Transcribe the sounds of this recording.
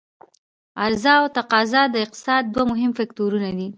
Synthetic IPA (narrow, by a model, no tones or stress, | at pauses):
aɾzɑawt̪aqɑzɑd̪əɪq̚t̪ɪ̥sɑd̪̚ːwamʊɦɪmfak̚t̪oɾunad̪i